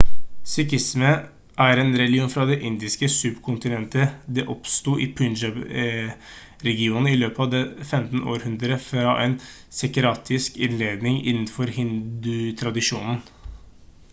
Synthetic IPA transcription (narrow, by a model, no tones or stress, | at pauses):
sʏkɪsmə | ʔæɾɛːnɾɛlɪuːnfɾɑd̪ɛʔɪnd̪ɪskəsʉbkʰʊnt̪ɪnɛnt̪əd̪ɛːʔɔpst̪uːʔɪpʰʉnd͡ʒɑb | ɾɛɡɪuːnn̩ɪløːpəɑʋd̪ɛfɛmt̪n̩o̰ːɾhʉnd̪ɾəfɾɑʔɛn | sɛkɾɑːt̪ʰɪskɪnleːd̪nɪŋɪ̰nːn̩fɔɾhɪnd̪ʉt̪ʰɾɑd̪ɪʂuːnn̩